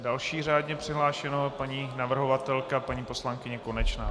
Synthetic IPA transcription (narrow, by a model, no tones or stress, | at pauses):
dalʃiːraːdɲɛpr̥ɪɦlaːʃɛnopaɲiːnavr̩ɦovat̪ɛlkapaɲiːpo̞slaŋkɪɲɛko̞nɛt͡ʃnaː